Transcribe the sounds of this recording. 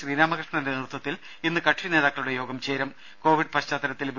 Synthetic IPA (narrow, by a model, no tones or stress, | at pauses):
ɕriːnaːmɐkrɨʂɳɐnindenirt̪wɐt̪ːil | inːɨkɐʈʂine̞ːðaːkːɐɭuɽe̞joːɡɐmt͡ɕeːɾɐm | ko̞ːʋiɖɨpɐt͡ɕaːt̪ːɐɾɐt̪ːilʋi